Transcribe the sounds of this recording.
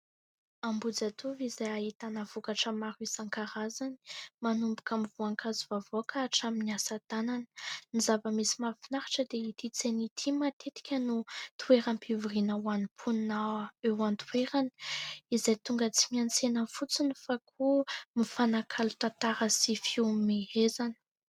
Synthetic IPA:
ambud͡zat̪ʰuvizajaɦit̪anəvukaʈ͡ʂəmaɾuisaŋkaɾazani̥manumbu̥kamivuaŋkʰazivavoakʰaaʈ͡ʂaminiasat̪ananə̥nizavəmisimafinaɾḁʈ͡ʂəd̪eit̪it͡senit̪ʰimat̪ʰet̪i̥kʲənut̪ʰuweɾanpʰiviɾinawanipʰunnːaewant̪weɾani̥izajt̪uŋɡət͡simiant͡senəfut͡sinifakʰumifanakʰalut̪at̪aɾəsifimeɦezani̥

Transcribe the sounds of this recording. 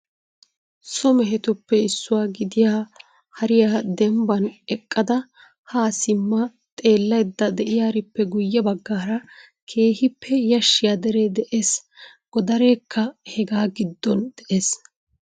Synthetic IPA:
sʊmɛɦɛt̪ʊpːɛɪsːʊwaːɡɪd̪ɪjaː | hɐɾɪjaːd̪ɛmbɐnɛkʼːɐd̪ɐ | haːsɪmːɐ | t̪ʼe̞ːlːɐjd̪ːɐd̪ɛʔɪjaːɾɪpːɛɡʊjːɐbɐɡːaːɾɐ | kʰe̞ːhɪpːɛjɐʃːɪjaːd̪ɛɾed̪ɛʔeːs | ɡ̥ɔd̪ɐɾeːkːɐhɛɡaːɡɪd̪ːɔnd̪̥ɛʔe̞ːs

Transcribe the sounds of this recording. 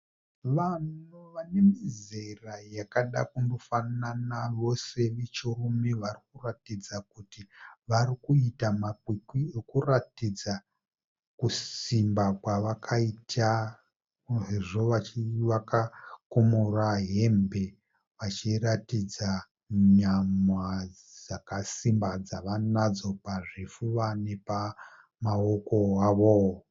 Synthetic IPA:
ʋanoʋane̞mizerajakaɗa̰kundofananaʋo̞se̞ʋit͡ʃorumeʋarikuratid͡zakutiʋaɾikuitamakwikwiekuratid͡za | kusimbakwaʋakʰaitʰa | eʐoʋat͡ʃiʋakakomoraɦe̞mbe̞ | ʋat͡ʃiɾatid͡za | ɲamwa | d͡zakasimbad͡zaʋanad͡zo̞paʐefuʋane̞pa | maoko̞aʋo

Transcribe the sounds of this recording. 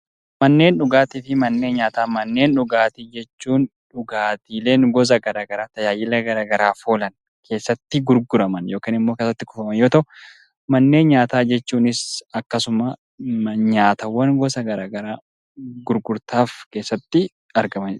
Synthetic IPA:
mɐnːe̞ːnᶑʊɡaːt̪ɪfɪmɐnːe̞ːnɲaːt̪aːmɐnːe̞ːnᶑʊɡaːt̪ɪd͡ʒɛt͡ʃːuːnᶑʊɡaːt̪iːle̞ːŋɡɔz̬ɐɡɐɾaːɡɐɾaːt̪ɐjaːjɪlɐɡɐɾaːɡɐɾaːfoːlɐn | kʰe̞ːsːɐt̪ːɪɡʊɾɡʊɾɐmɐnjo̞ːkiːnɪmːoːkeːsːɐt̪ːɪkʊfɐmɐnjo̞ːt̪ɐʊ | mɐnːe̞ːnɲaːt̪aːd͡ʒɛt͡ʃːuːnɪsɐkːɐsʊmɐ | ɲaːt̪ɐwːɐnɡɔsɐɡɐɾaːɡɐɾaː | ɡʊɾɡʊɾt̪aːfke̞ːsːɐt̪ːɪ | ɐɾɡɐmɐn

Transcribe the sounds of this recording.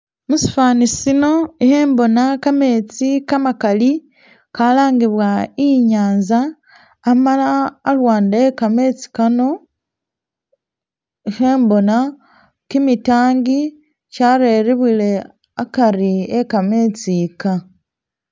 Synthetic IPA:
musi̥faːnisino̞iheːmbo̞nakame̞ːt͡sikamakali | kalaːŋɡiβwaiɲaːnzaː | malaːlwaːndaekame̞t͡si̥kano̞ | iheːmbo̞na | kimitaːŋɡi | t͡ʃaɾe̞ːɾiβwile̞ | akaɾiekame̞t͡sika

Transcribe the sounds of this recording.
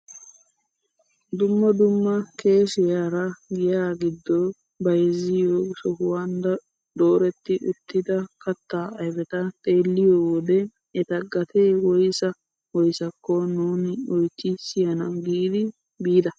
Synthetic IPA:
d̪ʊmːɐd̪ʊmːɐke̞ːsɪjaːɾɐɡɪjaːɡɪd̪ːɔ | bɐjɛzɪjoːsɔhʊwand̪ɐ | d̪oːɾɛt̪ːɪʔʊ̰t̪ːɪd̪ɐkɐt̪ːaːɐjbɛt̪ɐt̪ʼe̞ːlːɪjoːwɔd̪ɛ | ɛt̪ɐɡɐt̪eːwɔjsɐ | wɔjsɐkːɔnuːnɪɔjt͡ʃːɪsɪjɐnɐɡiːd̪ɪ | biːd̪ɐ

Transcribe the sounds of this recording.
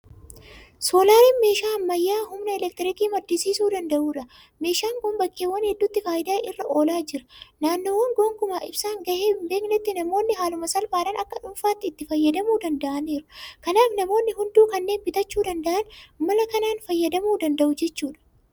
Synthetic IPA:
so̞ːlaːɾiːnme̞ːʃaːmːɐjːaːhʊmnɐɛlɛk̚t̪ɪɾɪkiːmɐd̪ːɪsiːsuːd̪ɐnd̪ɐʔuːᶑɐ | me̞ːʃaːŋɡoːnbɐkːeːwːɐnhɛd̪ːʊt̪ːɪfaːʔɪd̪aːʔɪrːɐʔo̞ːlaːd͡ʒɪɾɐ̥naːnːoːwɐŋɡoːŋkʊmaːʔɪbsaːŋɡɐheːmbe̞ːknɛt̪ːɪnɐmo̞ːnːɪɦaːlʊmɐsɐlfaːɾɐnʔɐkːɐᶑʊmfaːt̪ːɪːt̪ːɪfɐjːɐd̪ɐmuːd̪ɐnd̪ɐʔɐne̞ːɾʊ̥kɐnaːfnɐmo̞ːnːɪɦʊnd̪uːkɐnːe̞ːnbɪt̪ɐt͡ʃːuːd̪ɐnd̪ɐʔɐnmɐlɐkɐnaːnfɐjːɐd̪ɐmuːd̪ɐnd̪ɐʔʊd͡ʒɛt͡ʃːuːᶑɐ̥

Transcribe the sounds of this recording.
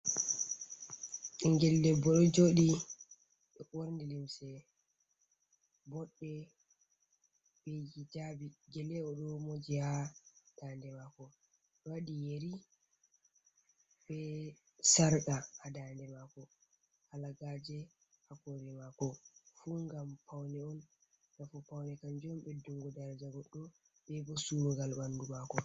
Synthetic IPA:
ŋɡɛlːɛbɔɗɔd͡ʒoɗi | ɓɛɓoɾndilimsɛ | bɔɗːɛ | bed͡ʒid͡ʒabiɡɛlɛɔɗɔmod͡ʒihad̥andɛmakɔ | waɗijeɾi | bɛ | saɾkahadandɛmakɔ | halaɡad͡ʒɛ | hakɔɾɛmakɔfuŋɡampawnɛɔn | nafupawnɛkand͡ʒɔmbɛduŋɡɔdaɾd͡ʒaɡɔɗːɔ | ɓɛbɔsuɾuɡalbandumakɔ

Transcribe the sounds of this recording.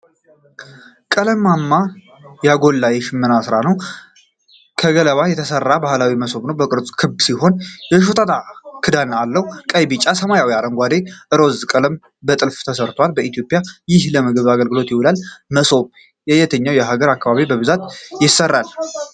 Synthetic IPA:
kʼələmːamːa | jaɡo̞lːajɛʃɪmːɨnasɾanəw | kʰəɡələβajɛt̪ʰəsərːabahlawiməso̞βnəwbəkʼɨɾt͡sʼkʰɨbsiɦo̞njɛʃ̬ot̪ʰʼat̪ʰʼakʰɨd̪analːəhukʼəjbɨt͡ʃʼːasəmajawiaɾəŋɡʷad̪e̞ʔɨɾo̞zkʼələm | bət̪ʼɨlft̪ʰəsəɾt̪ʰwalbəit̪ijo̞pʼjajɪhləmɨɡɨβaɡəlɡɨlo̞t̪jɪwulalməso̞β | jɛjɛt̪ʰəɲːawjɛɦaɡəɾakːaβaβibəβɨzat̪jɪsərːal

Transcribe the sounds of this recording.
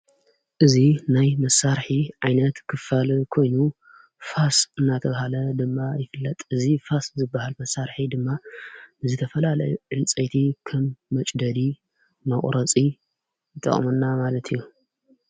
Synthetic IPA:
ʔɨzinajmɐsːaɾħiʕajnɐt̪kʰɨfalkʰo̞jnu | fasɨnːat̪ʰɐβahalɐd̪ɨmːajɪfɨlːɐt̪ʼɨzifaszɨbːahalmɐsːaɾħid̪ɨmːabɨzɨt̪ʰɐfɐlalɐ̰jʕɨlt͡sʼɐjt̪ʰikʰɐmːɐt͡ʃʼd̪ɐd̪i | mɐχʼɾɐt͡sʼi | jɨt̪ʼːɐ̰χʼmɐnːamalɐt̪ʰijːu

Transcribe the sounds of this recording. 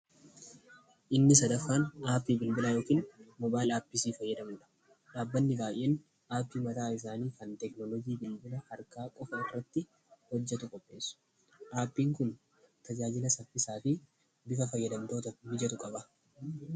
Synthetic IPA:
ʔɪnːɪsɐd̪ɐfːaːnʔaːpːiːbɪlbɪlajo̞ːkiːnmɔbaːlaːpːɪsiːfɐjːɐd̪ɐmʊᶑɐ̥ | ᶑaːbːɐnːɪbaːjʔeːn | aːpːiːmɐt̪aːɪs̬aːniːkɐnt̪ɛknɔlɔɡiːbɪlbɪlɐhɐɾkaːkʼɔfɐɪrːɐt̪ːɪ | hɔd͡ʒːɛt̪ʊkʼɔpʼːe̞ːsːʊ̥ | ʔaːpːiːŋkʊn | t̪ɐd͡ʒaːd͡ʒɪlɐsɐfːɪsaːfɪ | bɪfɐfɐjːɐd̪ɐmt̪oːt̪ɐbɪd͡ʒɛt̪ʊkʼɐbɐ

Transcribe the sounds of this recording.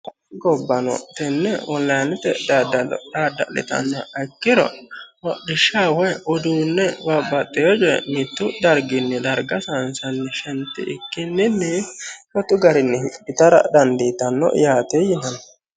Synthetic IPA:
ɐ | ɡɔbːɐnɔ̰t̪ɛnːɛɔnllɐjnɪt̪ɛd̪daːd̪ɐ̰lɪ̰t̪ɐ̰nːɔɐkːɪɾɔ̰wɔdɪʃawɔjɔd̪uːnːɛwɐbɐt̪ʼːɛjɔd͡ʒɛ̰mɪt̪ːʊd̪ɐɾɡɪnːɪd̪ɐɾɡɐsɐnsɐnːɛʃɛnt̪ːɪ̰ʔɪkːɪnːɪnːɛfwɔt̪ːʊɡɐɾɪnːɛhɪbɪt̪ɐɾɐ̰d̪ɐnd̪iːt̪ɐnːɔ̰jaːt̪ejɪnɐnɔ

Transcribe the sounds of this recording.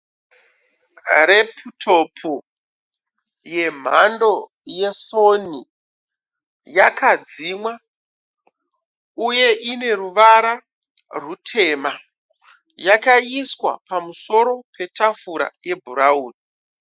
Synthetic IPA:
re̞pʰutʰo̞pʰu | je̞m̤a̰ndo̞ | je̞so̞ni | jakʰad͡zimwa | uje̞ʔine̞ruʋaɾa | rutʰe̞ːma | jakaiswa̰pamuso̞ɾo̞pʰe̞tafuɾa̰je̞bʱuɾauːni

